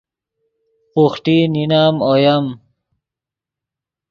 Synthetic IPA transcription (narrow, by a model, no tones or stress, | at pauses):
quxʈininaːmojɐm